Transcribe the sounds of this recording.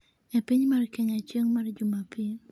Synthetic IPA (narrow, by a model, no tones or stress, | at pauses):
ɛpɪɲmarkɛɲat͡ʃəŋmard͡ʒumapi